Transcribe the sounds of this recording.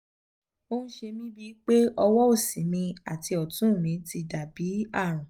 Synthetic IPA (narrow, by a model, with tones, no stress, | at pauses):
o˧nũ˦ʃe˧mĩ˦bi˦k͡pe˦ɔ˧wɔ˦o˦˨sĩ˨˦mĩ˧a̰˨ti˧ɔ˨tũ˦˨mĩ˨˧ti˧da˨bi˨˦a˦˨ɾ̃ũ˨